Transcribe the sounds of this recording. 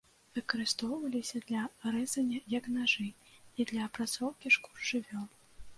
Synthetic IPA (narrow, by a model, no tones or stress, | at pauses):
vɨkɐɾɨst̪ɔwvɐlʲisʲɐd̪lʲɐɾɛzɐnʲɐjɐknaʐɨid̪lʲɐːpɾat̪sɔwkʲiʂku̥ʐɨvʲɔlˠ